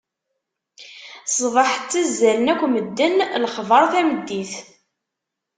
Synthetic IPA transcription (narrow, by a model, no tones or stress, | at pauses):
sˤðˤɑħt͡sːæzːælənækʷːməd̪ːənlχvˤəɾˤθæməd̪ːiθ